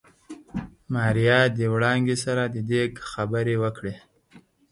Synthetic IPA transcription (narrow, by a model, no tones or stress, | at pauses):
mɑɾijɑd̪əwɽɑŋɡesaɾad̪əd̪ekxabəɾewəkɽe